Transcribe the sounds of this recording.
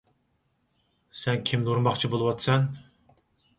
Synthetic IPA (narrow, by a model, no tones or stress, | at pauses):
sɛnkʲʰimnuɾmɑχt͡ʃʰibolˠɨwɑt̪sɛn